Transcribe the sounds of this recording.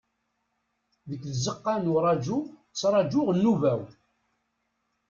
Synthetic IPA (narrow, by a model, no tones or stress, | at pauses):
ðəkːðəzəqːanʊɾˤɑd͡ʒut͡sːɾˤɑd͡ʒʊʁnːuvæw